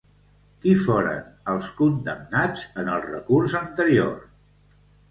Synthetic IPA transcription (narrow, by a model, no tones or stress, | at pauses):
kifoɾə̰nəlˠskund̪əmnad͡zənəlˠrə̰kurzənt̪əɾio̰r